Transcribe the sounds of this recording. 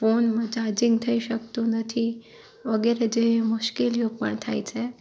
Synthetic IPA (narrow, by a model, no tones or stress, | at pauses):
fonməd͡ʒad͡ʑiŋɡ̚t̪ʰəiɕəkt̪onət̪ʰi | ʋəɡeɾed͡ʑeɦemuʃkiljoɡ̚pə̰ɳt̪ʰajt͡ɕʰe